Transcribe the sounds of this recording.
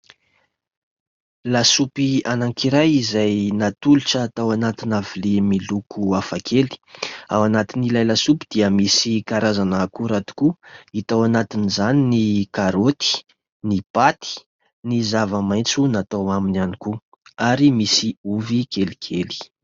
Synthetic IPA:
lasupianaŋkiɾajizajnat̪uluʈ͡ʂəːt̪awanat̪inavilemilukʰuafakʰeli̥awanat̪inilajlasupid̪̥iəmisikaɾazanakuɾat̪i̥kuit̪awanat̪inizaninikaɾot̪i̥ | nipat̪i̥ | nizavəmaj̃nt͡sunat̪awaminaniku | aɾimisiuvikelikʰeli̥

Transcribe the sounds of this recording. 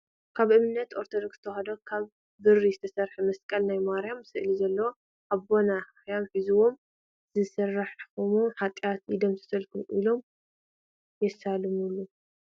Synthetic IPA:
kʰaβʔɨmɨnːɐt̪ʔo̞ɾt̪ʰod̪oksz̥ɨ̥t̪ʰɐxɐd̪okʰaβ | bɨrːizɨt̪ʰɐsɐɾħɐmɐskʼɐlnajmaɾjamsɨʔlizɐlːɐwo | ʔaβbona | jamħizuwo̞m | z̥ɨsɐrːaħkʰomoħat̪ʼjat̪ʔid̪omt̪ʰɨ̥sɐlkulʔilo̞m | jɛsalɨmulːu

